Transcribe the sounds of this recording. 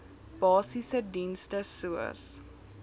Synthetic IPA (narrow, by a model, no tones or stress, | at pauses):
b̥ɑːsisədinstəsuə̰s